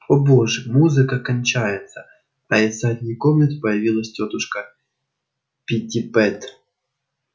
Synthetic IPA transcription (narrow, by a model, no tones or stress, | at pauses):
oboʐɨmuzɨkəkɐnʲt͡ɕajɪt̪sə | ɐɪsat̪ʲnʲɪkomnʲɪt̪pəjɪvʲilˠəsʲtʲo̞t̪ʊʂkə | pʲɪtʲɪpɛt̪